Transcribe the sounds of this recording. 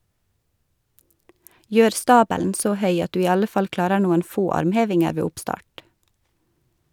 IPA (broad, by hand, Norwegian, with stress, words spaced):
ˈjøːɾ ˈstɑːbəln̩ ˈsoː ˈhœʏ ˈɑt ˈdʉː ˈiː ˈɑlə ˈfɑl ˈklɑːɾəɾ ˈnuːən ˈfoː ˈɑɾmˌheːʋɪŋəɾ ˈʋeː ˈʊpˌstɑːʈ